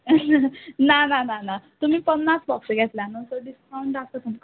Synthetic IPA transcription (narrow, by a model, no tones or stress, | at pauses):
nanananat̪um̤ĩːpənːasbɔkseɡɛt̪ljanə̃w̃t̪əɾɖiskawɳʈast̪ət̪umk